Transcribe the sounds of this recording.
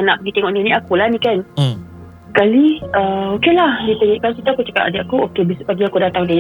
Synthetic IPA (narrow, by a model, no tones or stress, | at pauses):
anaʔp̚əɡit̪eŋɔʔninĩakulahnĩkan | kaliəokelahdit̪əŋiʔkansit̪uakut͡ʃə̥ka̰t̪adaʔakuokebisbaɡiakudat̪aŋde